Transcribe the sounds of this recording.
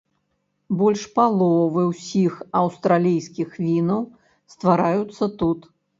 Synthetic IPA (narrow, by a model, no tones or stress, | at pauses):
bɔlʲʂpalˠɔvɨwsʲixɐwst̪ɾalʲijsʲkʲixvʲinɐw | st̪vaɾajut̪sːɐt̪ut̪